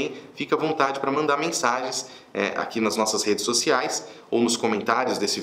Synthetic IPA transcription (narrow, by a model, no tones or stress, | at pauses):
ẽj̃fikɐvõnt̪ad͡ʒɪpɾɐmɐ̃nd̪aɾmẽsaʒẽj̃s | ɛ̰ʔa̰kinɐznɔsɐshed͡ʒɪsːosiajs | ownʊskomẽnt̪aɾjʊzd̪esɪ